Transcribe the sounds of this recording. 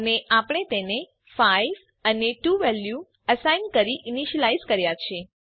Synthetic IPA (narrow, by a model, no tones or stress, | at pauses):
əneʔapəɽ̃et̪ene | fajʋ | əneʈuʋɛlju | əsajnkəɾiʔiniʃəlajzkəɾjat͡ʃʰie